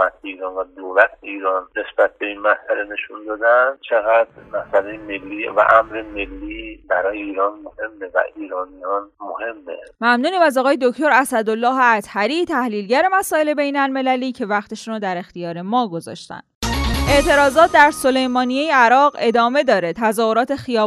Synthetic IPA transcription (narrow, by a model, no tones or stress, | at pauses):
æt̪̚ʰeiːɾɒːnvæd̪owlæt̪ʰeiːɾɒːnne̞sb̥æt̪̚be̞inmæsæle̞ne̞ʃund̪ɒːd̪ænt͡ʃʰeɣæd̪mæsælejemelːiːvæ̰ʔæmɾeme̞lːibæɾɒːjeiːɾɒːnmohe̞mːevæ̰ʔiːɾɒːnijɒːnmohe̞mːḛmæmnuːniːmæzɒːɣɒːjed̪o̞cʰt̪o̞ɾæsæd̪olːɒːɦeæt̪hæɾiːt̪ʰæhliːlɟæɾe̞mæsɒːe̞le̞bejnælme̞læliːcʰe̞væχt̪ʰeʃɾod̪æɾe̞xt̪ijɒːɾe̞mɒːɡo̞zɒ̰ːʃt̪æ̰nd̪ʔe̞ʔt̪ʰe̞ɾɒːzɒːt̪̚d̪æɾso̞le̞jmɒːnijejeæɾɒːʁe̞d̪ɒːme̞d̪ɒːɾe̞t̪ʰæzɒːho̞ɾɒːt̪ʰe̞xijɒː